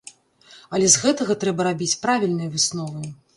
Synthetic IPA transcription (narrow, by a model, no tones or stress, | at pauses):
ɐlʲɛzɣɛt̪ɐɣɐt̪ɾɛbɐɾabʲit͡sʲpɾavʲilʲnɨjɐvɨsnɔvɐj